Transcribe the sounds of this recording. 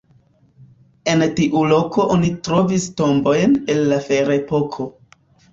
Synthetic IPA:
e̞ntiʔulo̞ko̞ʔonitɾo̞visto̞mbo̞jne̞lːafe̞ɾepo̞kʰo̞

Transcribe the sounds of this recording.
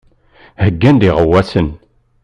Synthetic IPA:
həɡːænd̪iʁəwːæsən

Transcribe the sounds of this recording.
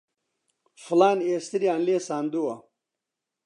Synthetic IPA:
flaːneːst̪iɾiaːnliːsaːnd̪uwɐ

